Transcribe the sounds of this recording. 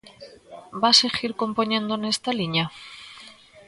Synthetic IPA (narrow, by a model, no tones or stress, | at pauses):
baseɣiɾko̞mpoɲẽ̞nd̪onest̪aliɲa